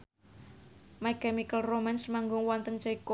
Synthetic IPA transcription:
makɛmikəlromɛnsmaŋɡʊŋwɔnt̪ənt͡ʃɛiko

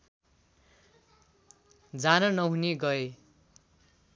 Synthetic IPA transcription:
d͡zanʌnʌɦuneɡʌe

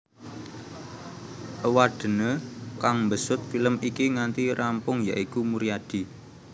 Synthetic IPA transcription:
ʔəwaɖ̥ə̤nəkaŋmbəsʊt̪̚filəmikiŋant̪iɾʔampʊŋja̰ʔikumuɾijad̪̥i̤

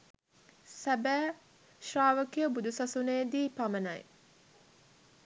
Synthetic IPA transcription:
sæbæː | ʃraːʋəkijəbud̪usasunejd̪iːpamənɐj

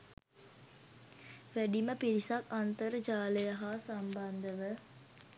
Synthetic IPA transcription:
ʋæɖiməpiɾisakant̪əɾəd͡ʒaːləjaɦaːsamband̪əʋə

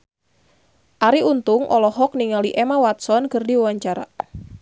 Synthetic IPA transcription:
ʔaɾiunt̪ʊŋʔɔ̰lɔɦɔk̚niŋaliʔɛmawat̪̚sɔnkərdiuwaɲt͡ʃaɾa̰

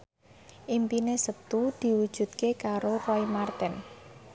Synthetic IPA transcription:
ʔimpinesət̪ud̪̥i̤wud̥ʒ̥ṳt̪̚kekaɾorɔimart̪ɛn

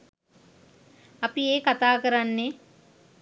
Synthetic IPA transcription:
ɐpieːkat̪aːkəɾanːe

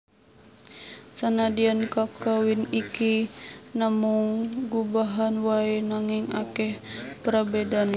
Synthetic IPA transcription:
sanadiankakawinikinamuŋɡubaɦanwaenaŋiŋakɛhpəɾabɛdan

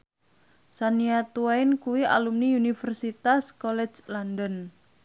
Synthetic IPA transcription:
saniat̪uwaɪnkuwia̰lumniunifərsit̪askɔlɛ̥t͡ʃlandən

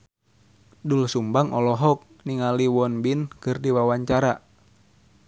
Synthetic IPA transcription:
dulsumbaŋʔɔlɔɦɔk̚ | niŋaliwɔnbinkɨrdiwawaɲt͡ʃaɾa

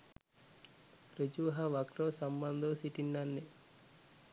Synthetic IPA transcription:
ɾed͡ʒuɦɐʋɐkɾoːsɐmbɐnd̪ʱosiʈinːɐnːi

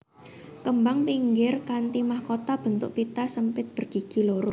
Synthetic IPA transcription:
kəmbaŋpiŋɡɪrkant̪imahkot̪ab̥ə̤nt̪ʊ̰ʔpit̪asəmpɪt̪̚b̥ərɡ̥i̤ɡ̥iloɾo

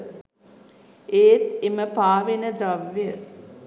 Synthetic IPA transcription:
eːt̪eməpaːʋenəd̪ɾaʋjə

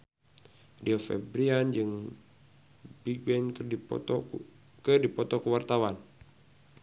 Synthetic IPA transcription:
diɔfɛ̰bɾiand͡ʒɨŋ | biɡ̚bɛn̰ | kɨdipɔt̪ɔkəwart̪awan

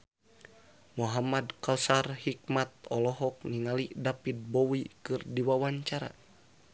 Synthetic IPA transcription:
muɦamadkalsarhik̚mat̪̚ɔlɔɦɔk̚niŋalidapid̪̚bɔwikɨrdiwawaɲt͡ʃaɾa̰

